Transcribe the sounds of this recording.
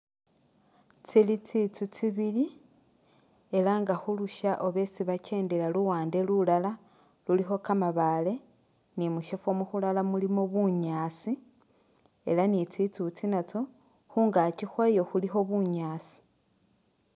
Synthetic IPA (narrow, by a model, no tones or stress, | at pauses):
t͡silit͡sit͡sut͡siβili | e̞laŋɡaxuluʃaʔoβe̞t͡siβat͡ʃe̞ːndelaluwaːnde̞lulala | lulixo̞kamaβale̞ | nimuʃefo̞muxulalamulimo̞βuɲaːsi | e̞̰lanit͡sit͡sut͡sinat͡so | xuːŋɡat͡ʃixwejo̞xulixo̞βuɲaːt͡si̥